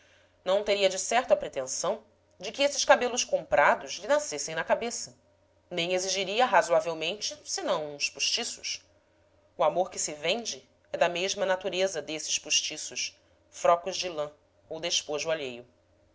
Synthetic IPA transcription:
nɐ̃w̃t̪eɾiɐd͡ʒɪsɛɾt̪ʊɐpɾet̪ẽsɐ̃w̃ | d͡ʒɪkɪesɪʃkabelʊʃkõmpɾʔad̪ʊʃlɪnasesẽj̃nɐkabesɐ | nẽj̃eziʒiɾiɐɦazuavewmẽnt͡ʃɪsɪnɐ̃w̃ũspuʃt͡ʃisʊʃ | uamoɾkɪsɪvẽnd͡ʒɪ | ɛd̪ɐmeʒmɐnat̪uɾezɐd̪esɪ̥ʃpuʃt͡ʃisʊʃ | fɾɔkʊʒd͡ʒɪlɐ̃ | owd̪eʃpoʒʊaʎejʊ

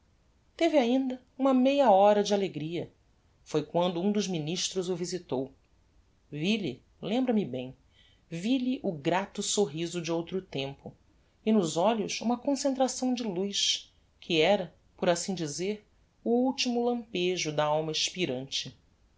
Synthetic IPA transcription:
t̪evɪaĩnd̪ɐ | ũmɐmejɐɔɾɐd͡ʒɪaleɡɾiɐ | fojkwɐ̃nd̪ʊũd̪ʊʒminiʃt̪ɾʊzʊvizit̪ow | vilḭ | lẽmbɾɐmɪbẽj̃ | vilɪʔʊɡɾat̪ʊsoɦizʊd͡ʒɪowt̪ɾʊt̪ẽmpʊ | ɪnʊzɔʎʊsṵ̃mɐkõsẽnt̪ɾasɐ̃w̃d͡ʒɪlujʃ | kʰɪɛɾɐ | poɾasĩd͡ʒizeɾ | ʊuwt͡ʃimʊlɐ̃mpeʒʊd̪ɐawmɐɪʃpiɾɐ̃nt͡ʃɪ

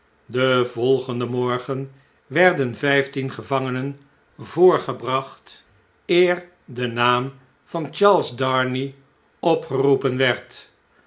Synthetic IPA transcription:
dəvɔlˠχəndəmɔɹχən | ʋɛɹdənvɛjftinχəvɑŋənən | voːɹχəbrɑχt | ɪːɹ | dənaːm | v̥ɑnt͡ʃɑɹlˠzdɑɹni | ɔpχərupənʋɛɹt

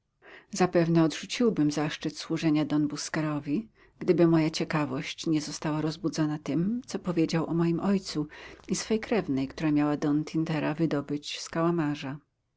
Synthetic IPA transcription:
zapɛvnɛɔd̪ʐut͡ɕiwbɘmzaʂt͡ʂɘt̪swuʐɛɲad̪ɔnbuskɛɾɔvʲi | ɡ̥d̪ɘbɘmɔjat͡ɕɛkavɔɕt͡ɕɲɛzɔst̪awaɾɔzbud̪zɔnat̪ɘmt̪sɔpɔvʲjed͡ʑawʔɔmɔjimʔɔjt̪suisfɛjkɾɛvnɛjkt̪uɾamʲjawad̪ɔnt̪ʰʲint̪ɛɾavɘd̪ɔbɘt͡ɕskawamaʐa

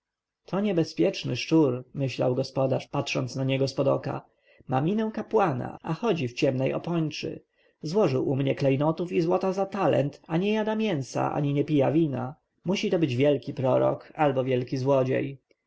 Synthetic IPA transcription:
t̪ʰɔɲɛbɛspʲjɛt͡ʂnɘʂt͡ʂuɾmɘɕla̰wɡɔspɔd̪aʂpatʂɔnt̪snaɲɛɡɔspɔd̪ɔka̰ | mamʲinɛw̃kapwana̰ʔaxɔd͡ʑift͡ɕɛmnɛjɔ̰pɔɲt͡ʂɘ̰ | zwɔʐɘwʔumɲɛklɛjnɔt̪ufizwɔt̪azat̪alɛ̰nt̪aɲɛjad̪amʲjɛnsa̰ʔa̰ɲiɲɛpʲijavʲina | muɕit̪ɔbɘd͡ʑvʲjɛlkʲipɾɔɾɔ̰kalbɔvʲjɛlkʲizwɔd͡ʑḛj

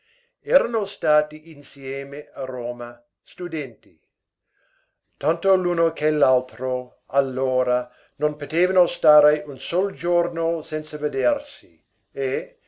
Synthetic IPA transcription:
ɛːɾanost̪aːt̪iʔinsijeːmearoːma | st̪ud̪ɛnt̪i | t̪ant̪oluːnokʰelalt̪ɾo | alːoːɾa | nonpot̪eːvanost̪aːɾeʔunsold͡ʒornosɛnsaved̪ersi | e

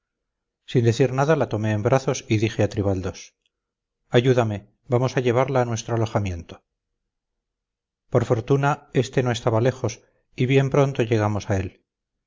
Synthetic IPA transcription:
sind̪e̞θiɾnaðalat̪o̞me̞ːmbɾaθosiðiχeat̪ɾiβald̪o̞s | aʝuðame̞ | bamo̞saʎe̞βaɾlaːnwe̞st̪ɾoalo̞χamje̞nt̪o | poɾfo̞ɾt̪unae̞st̪enoe̞st̪aβale̞xo̞s | iβje̞mpɾo̞nt̪o̞ʝe̞ɣ̞amo̞sae̞l

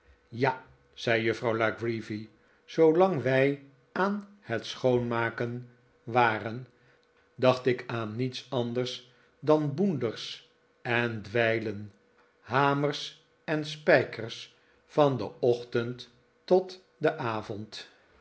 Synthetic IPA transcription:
ja | z̥ɛjjɵfrɑwlaɡrivi | z̥owlɑŋʋɛj | aːn | hətsχownmaːkən | ʋaːrən | dɑχtɪkaːnːitsɑndəɹs | dɑnbundəɹs | ɛndʋɛjlən | ɦaːmərs | ɛnspɛjkərs | fɑndə̰ɔχtəntː | ɔt | dəʔaːvɔnt

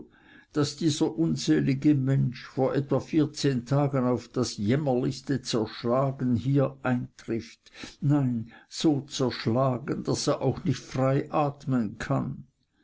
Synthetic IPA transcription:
d̥asd̥iːzɐʔʊnzeːlɪɡəmɛnʃfoːɐʔɛtv̥afiːɐt͡seːntʰaːɡənaʊfd̥asjɛmɐlɪçstət͡sɛɐʃlaːɡənhiːɐʔaɪntʁ̥ɪftnaɪnz̥oːt͡sɛɐʃlaːɡənd̥aseːɐʔaʊxnɪçtfraɪʔaːtmənkʰan

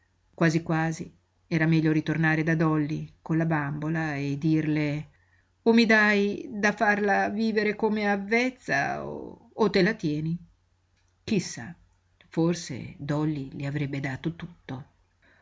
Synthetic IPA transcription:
kwaːzikwaːzḭ | ɛːɾamɛʎːoɾit̪ornaːɾed̪ad̪ɔlːikolabambolaed̪ːirle | omːid̪ajd̪afarlaviːveɾekomeavːɛt̪sːa̰o̰ː | t̪ːelat̪jɛːni | kisːa̰ | forsḛd̪ɔlːiliavɾɛbːed̪aːt̪ot̪u̥t̪ːo

